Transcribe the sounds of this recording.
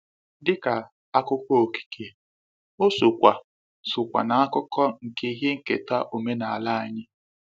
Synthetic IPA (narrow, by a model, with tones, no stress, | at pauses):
dɪ˦ka˨ | a˦kʊ˦kʷɔ˦o˨ki̥˨kʰe˨ | o˦sʊ˨kʷa˨ | sʊ˨kʷa̰˨na˨a˦kʊ˦kɔ˦ŋ̩˨ke˦ɦe˦ŋ̩˨ke˨ta˦ʔo˨me˦na˨a˨la˦a˨ɲɪ˦